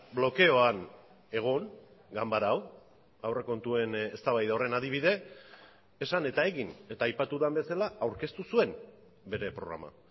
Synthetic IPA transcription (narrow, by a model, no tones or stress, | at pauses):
blo̞ke̞o̞an | e̞ɣ̞o̞ŋ | ɡambaɾaw | awre̞ko̞nt̪ue̞ne̞st̪aβajðawre̞nað̞iβ̞iðe̞ː | sane̞t̪ae̞ɣine̞t̪aːjpat̪uðambe̞salaawɾke̞st̪usue̞m | be̞ɾe̞pɾo̞ɣɾa̰ma̰